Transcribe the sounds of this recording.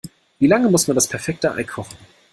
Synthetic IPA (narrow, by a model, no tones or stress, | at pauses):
viːlaŋəmʊsmandaspʰɛɐfɛk̚təʔa̰ɪkʰɔχn̩